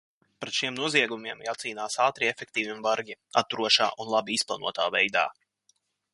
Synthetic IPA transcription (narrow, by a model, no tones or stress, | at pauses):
pɾɛt̪ʃiɛmnuɔziɛɡumiɛmjaːt̪siːnaːsaːt̪ɾiɛfʲɛk̚t̪iːvʲimvaɾɡʲia̰t̪ːuɾuɔʃa̰ːʔunlˠabiisplˠanṵɔt̪aːvɛjd̪a̰ː